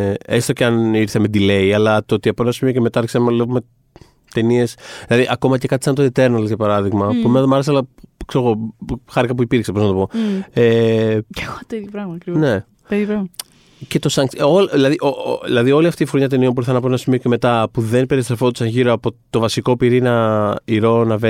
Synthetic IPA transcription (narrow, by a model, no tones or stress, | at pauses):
est̪oceɐniɾθemed̪ile̞iɐlɐt̪oot̪iɐpoenɐsimioceme̞t̪ɐɐɾçe̥sɐmlevume | t̪e̞niesðilɐðiʔɐko̞mɐce̞kɐt̪i̥sɐnt̪oint̪e̞ɾnɐlʝɐpɐɾɐðiɣmɐpumenɐðomɐɾes̬ɐlɐkseɾoɣo̞xɐɾikɐpuipiɾksepoznɐt̪o̞po̞e | xot̪eðjopɾɐɣmɐɐkɾinne̞ | peðjopɾɐɣmɐ | ce̞t̪o̞sɐŋksolðilɐðiʔoilɐðio̞liɐft̪iːfɾoɲɐt̪̬e̞nio̞mp̬uɾθɐnɐponɐsimio̞ceme̞t̪ɐpuðe̞npeɾist̪ɾefot̪u̥sɐnʝiɾoɐpo̞t̪o̞vɐsiko̞piɾinɐiɾo̞nɐve